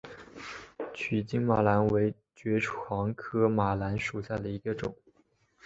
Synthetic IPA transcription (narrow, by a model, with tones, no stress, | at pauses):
t͡ɕʰy˨˩t͡ɕi˥ŋma˨˩la˧˥nwe˧˥ɪ | t͡ɕɥɛ˧˥ʈ͡ʂʰwɑ˧˥ŋkʰɤ˥ma˨˩la˧˥nʂu˨˩ɕja˥˩d̪ə˩i˧˥ɡə˧ʈ͡ʂʊ̰˨˩˦ŋ